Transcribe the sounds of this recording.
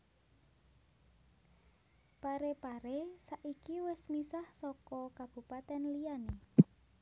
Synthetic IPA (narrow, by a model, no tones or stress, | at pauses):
paɾepaɾesaʔikiwɪsmisahsɔkɔkab̥ṳpat̪ɛnlijane